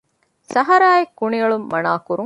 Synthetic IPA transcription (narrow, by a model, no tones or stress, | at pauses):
sɐɦɐɾaːjekːuɳiɐɭumːɐnaːkuɾuŋ